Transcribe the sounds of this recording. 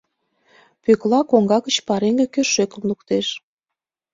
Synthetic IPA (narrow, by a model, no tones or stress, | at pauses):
pøklɑkoŋɡɑɣət͡ɕpɑɾeŋɡĕkøʃøkə̆mlukt̪eʃ